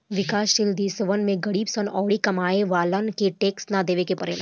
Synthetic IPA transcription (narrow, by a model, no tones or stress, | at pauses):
ʋɪkaːʃʈɪld̪isʋənmẽɡɐɽiːbsənɔːɽikɐmaːeʋaːlənkeʈeːksnad̪eːʋekepɐɾḛːl